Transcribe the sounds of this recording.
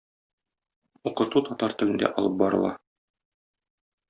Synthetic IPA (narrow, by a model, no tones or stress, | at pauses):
uqɤ̆t̪ut̪ɒt̪ɑɾt̪ɘ̆lɘ̆nd̪æ̰ʔɒlˠɤp̚bɒɾɤ̰̆lˠɑ̰